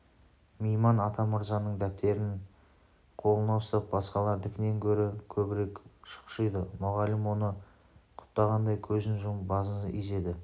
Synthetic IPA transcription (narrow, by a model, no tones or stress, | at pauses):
mejmɑnɑt̪ʰɑməɾzɑnːəɴd̪æp̚t̪e̞ɾɪn | qʰo̞lˠənɑwəst̪ɑp̚bɑsqɑlˠɑɾd̪ɪkʲʰɪne̞ŋkʲʰɵɾɪkʲʰɵbɪɾe̞kʃə̥qʃəjd̪əmʊʁɑlɪmwo̞nə | qʰʊ̥p̚t̪ːɑʁɑnd̪ɑjkʲʰɵzɪnʒʊmbɑzḭze̞d̪ɪ